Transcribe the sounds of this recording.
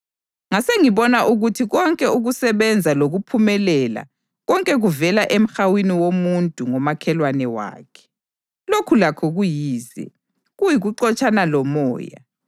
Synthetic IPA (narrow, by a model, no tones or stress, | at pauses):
ŋaseŋiβɔnaʔuɣutʰiɣɔŋkʼɛuɣusɛβɛnd͡zʱaloɣupʰumɛlɛla̰ | ɣɔŋkʼɛɣuvɛlaʔem̩xawiniwomuntʼuŋɔmakʰɛlwanɛwa̰ːkʰɛ̥ | lokʰulakʰɔɣujiːzɛ̰ | ɣujiɣuǃɔt͡ʃʼanalɔmɔ̰ːja̰